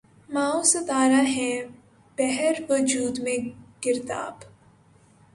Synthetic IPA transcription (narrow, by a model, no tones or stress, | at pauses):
maːosɐt̪aːɾaɦɛ̃ | b̥ɛɦɛɾʋəd͡ʒuːd̪mẽɡɪɾt̪a̰ːb